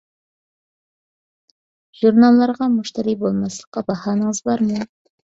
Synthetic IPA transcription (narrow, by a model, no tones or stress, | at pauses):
ʒ̥uɾnɑlˠːɑɾʁɑmuʃt̪ɑɾibolˠmɑslˠəqːɑbɑhɑːnəŋəzbɑɾmu